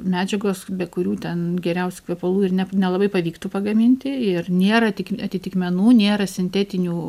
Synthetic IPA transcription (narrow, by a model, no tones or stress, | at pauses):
mʲæːd͡ʒʲɛɡoːsbʲɛkʊɾʲuːt̪ʲɛnɡʲɛɾʲɛʊsʲu̥kʋʲɛpɐlˠuːɪrnʲɛnʲɛlˠɐbɐɪpɐʋʲiːkt̪uːpɐɡɐmʲɪnʲt̪ʲɪɪrnʲeːɾɐtʲɪkɐt̪ʲɪt̪ʲɪkmʲɛnuːnʲeːɾɐsʲɪnʲt̪ʲɛːt̪ʲɪnʲuː